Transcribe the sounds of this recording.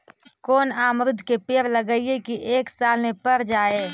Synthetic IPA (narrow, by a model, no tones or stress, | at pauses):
koːnaːmɾɪd̪ʱːkepeːɾləɡəiekiʔeːksaːlmepəɾd͡ʒaːe